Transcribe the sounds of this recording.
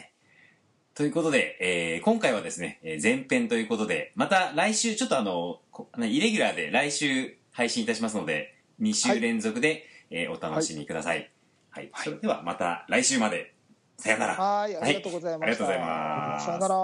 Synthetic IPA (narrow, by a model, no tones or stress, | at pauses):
t̪o̞jɯ̟ko̞t̪o̞d̪e̞eːkõ̞ŋkaiβ̞ad̪e̞sɨne̞̰ːzẽ̞mpẽ̞nt̪o̞jɯ̟ːko̞t̪o̞d̪e̞mat̪aɾaiɕɨːt͡ɕo̞t̪ːo̞ano̞konaiɾe̞ɡʲyɾaːd̪e̞̰ɾaiɕɨː | haiɕĩit̪aɕ̬imas̬ɨno̞d̪e̞̰ | ɲ̟iɕɨːɾẽ̞nzo̞kɯ̟d̪e̞eːʔo̞̰t̪ano̞ɕimʲikɯ̟d̪asa̰ḭ | haiso̞ɾe̞d̪e̞βa̰mat̪a̰ɾaiɕɨːmad̪e̞̰ | sajanaɾa̰haitaɾiɡat̪oɡozaima̰